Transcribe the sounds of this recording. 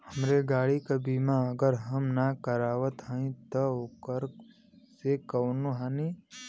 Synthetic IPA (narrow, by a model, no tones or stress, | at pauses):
həmɾeɡaːɽikabiːmaəɡəɾɦɐmnakəɾaːʋət̪ɦə̃ĩt̪ɔokəɾ | sekɐwnoɦaːni